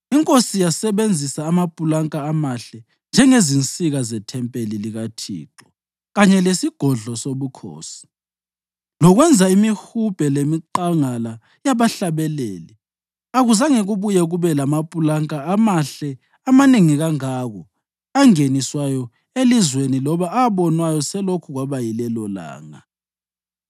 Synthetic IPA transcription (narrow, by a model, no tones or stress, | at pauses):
iŋkʼosijasɛβend͡zʱisaːmapʼulaŋkʼaːmaɬɛ | nd͡ʒʱɛŋezint͡sʼiɣazɛtʰɛmpʼeliliɣatʰḭːǁɔ̥ | ɣaɲɛlesiɡ̥ʱɔɮɔsoβukʰo̰ːsi̥ | lɔɣwɛnd͡zʱaimihub̥ʱɛlemiǃaŋala | jaβaɬaβɛleːli | aɣuzaŋeɣuβujɛɣuβɛlamapʼulaŋkʼaːmaɬɛ | amaneŋiɣaŋaɣɔ | aŋeniswajɔ | elizwenilɔβaaβɔnwajɔsɛlokʰuɣwaβajilɛlɔla̰ːŋa̰